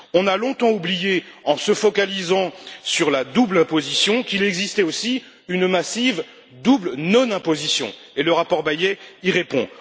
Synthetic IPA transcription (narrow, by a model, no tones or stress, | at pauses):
ɔ̃nalɔ̃t̪ɑ̃ublijeɑ̃səfɔkalizɑ̃syʁlad̪ublɛ̃pozisjɔ̃kilɛɡzist̪ɛosi | ynmasiv | d̪ublnɔnɛ̃pozisjɔ̰̃ | eləʁapɔʁbajɛiʁepɔ̰̃